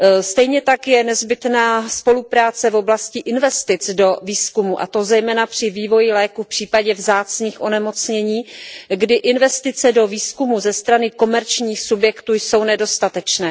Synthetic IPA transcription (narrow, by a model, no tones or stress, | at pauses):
st̪ɛjɲɛt̪akjɛnɛzbɪt̪naːspo̞lupɾaːt͡sɛvo̞blascɪʔɪnvɛst̪ɪt͡sdo̞viːskumuʔa̰t̪o̞zɛjmɛːnapr̝̥ɪviːvo̞jɪlɛːkufpr̝̥iːpaɟɛvzaːt͡sɲiːxʔo̞nɛmo̞t͡sɲɛɲiːɡdɪʔɪnvɛst̪ɪt͡sɛdo̞viːskumuzɛst̪ɾanɪko̞mɛɾt͡ʃɲiːxsubjɛkt̪uːjso̞wnɛdo̞st̪at̪ɛt͡ʃnɛː